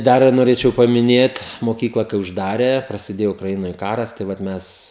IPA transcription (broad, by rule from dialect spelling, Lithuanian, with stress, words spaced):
ˈdɐr noːˈrʲeːt͡ʃʲɛʊ pɐmʲɪˈnʲeːt moːˈkʲiːklˠɐ kɐɪ ʊʒˈdɑːrʲeː prɐsʲɪˈdʲeːjoː ʊkrɐˈɪnoːj ˈkɑːrɐs tɐɪ ˈʋɐt ˈmʲɛs